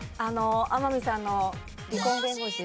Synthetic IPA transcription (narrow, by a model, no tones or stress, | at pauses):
anoamamʲisãnːo̞ | ɾʲikõ̞ŋɡẽŋɡoɕi